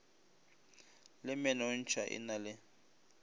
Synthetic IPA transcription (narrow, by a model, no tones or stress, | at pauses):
lɪmɛnaʊn̩t͡ʃʰaʔɪ̰nalɪ